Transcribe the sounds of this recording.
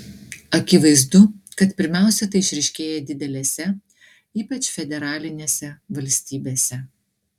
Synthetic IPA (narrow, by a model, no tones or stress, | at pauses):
ɐkʲɪʋɐɪzd̪ʊkɐt̪pʲɪɾʲmʲæˑʊsʲɛt̪ɐɪɪʃʲɾʲɛɪʃʲkʲeːjɛd̪ʲɪd̪ʲɛlʲeːsʲɛ | iːpɐt͡ʃʲfʲɛd̪ʲɛɾɑːlʲɪnʲeːsʲɛʋɐlʲsʲt̪ʲiːbʲeːsʲɛ